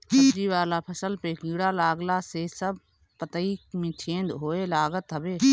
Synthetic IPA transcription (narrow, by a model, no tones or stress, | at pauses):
kd͡ʒiʋaːlapʰəsəlpekĩːɽalaːɡlasesəb | pət̪əiːkmẽːt͡ʃʰẽːnd̪ɦoːelaːɡət̪ʰːəbeː